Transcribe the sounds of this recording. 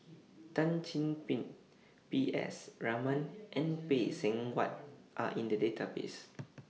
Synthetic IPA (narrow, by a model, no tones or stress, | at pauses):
tãnt͡ʃĩnpĩnt | piʔɛ̰sɹamə̃nʔɛ̃npesɛ̃ŋwa̰t̚ʔa̰ʔĩndədetʰabḛs